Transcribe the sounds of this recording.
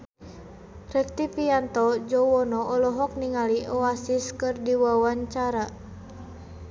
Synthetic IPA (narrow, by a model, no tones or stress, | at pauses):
rɛk̚t̪ipiant̪ɔd͡ʒɔwɔnɔʔːlɔɦɔk̚niŋaliɔasiskɨrdiwawaɲt͡ʃaɾa